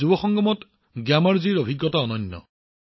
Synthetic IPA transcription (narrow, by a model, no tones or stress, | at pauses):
ubɔxɔŋɡɔmɔt | ɡjamaɹziɹobʱiɡːɔtaɔnɔnjɔ̰